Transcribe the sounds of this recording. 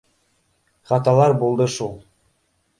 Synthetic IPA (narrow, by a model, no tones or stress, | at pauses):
χɑt̪ɑlˠɑɾbulˠd̪ɤʃulˠ